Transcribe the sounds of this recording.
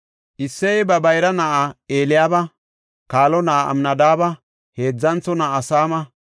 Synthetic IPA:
ʔɪsːɛjbɐbɐjɾɐnaʔaeːlɪjaːbɐ | kaːlɔnaʔaɐ̰mnɐd̪aːbɐ | heːd͡zːɐnt͡sːɔnaːɐsaːmɐ

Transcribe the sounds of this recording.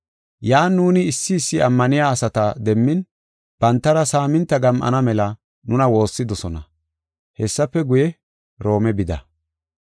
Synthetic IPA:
jaːnːuːnɪːsːɪːsːɪɐmːɐnɪjaːsɐt̪ɐd̪ɛmːɪn | b̥ɐnt̪ːɐɾɐsaːmɪnt̪ːɐɡɐmʔɐ̰nɐmɛlɐ | nʊnɐwo̞ːsːɪd̪ɔsɔnɐ̰ | hɛsːɐfːɛɡʊjɛ | ɾo̞ːmɛbɪd̪ɐ̰

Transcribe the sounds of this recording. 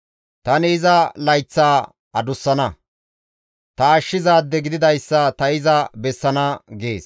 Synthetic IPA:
t̪ɐnɪːzɐlɐjt͡sːaː | ɐd̪ʊsːɐnɐ | t̪ɐːʃːɪzaːd̪ːɛɡɪd̪ɪd̪ɐjsːɐt̪ɐɪzɐbɛsːɐnɐɡe̞ːs

